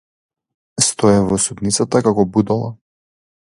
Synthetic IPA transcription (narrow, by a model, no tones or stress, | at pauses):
st̪ɔɛvɔsud̪nit̪sat̪akakɔbud̪ɔlˠa̰